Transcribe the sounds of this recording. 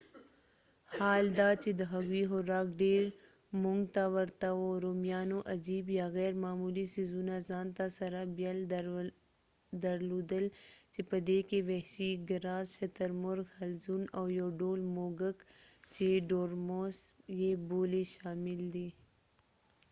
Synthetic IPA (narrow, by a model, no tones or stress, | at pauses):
haːld̪aːt͡ʃed̪ɐɦɐɡiɦoɾaːk̚ɖeːɾ | mʊŋɡt̪aʋɐɾt̪aoːɾoːmjaːnõʔɐd͡ʒiːbjaːɣɛːɾmaːmuːlisizunaːzaːnt̪asɐɾabjɐl | d̪ɐɾluːd̪əlt͡ʃepɐd̪eːkeʋɛʃiɡɐɾaːzʃɐt̪əɾmʊɾɡhɐlzunoːjoːɖoːlmoːɡəkt͡ʃeɖoːɾmoːsjeboːleʃaːmɪld̪i